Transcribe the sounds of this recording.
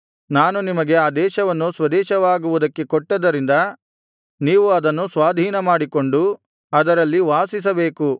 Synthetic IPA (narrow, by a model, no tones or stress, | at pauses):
naːnunimɐɡe̞aːd̪ɛːʃɐʋɐnːusʋɐd̪ɛːʃɐʋaːɡuʋud̪ɐkːe̞koʈːɐd̪ːɐɾind̪ɐ | niːʋuɐd̪ɐnːusʋaːd̪ʱiːnɐmaːɽiko̞ɳɖu | ɐd̪ɐɾɐlːiʋaːsis̬ɐbe̞ːku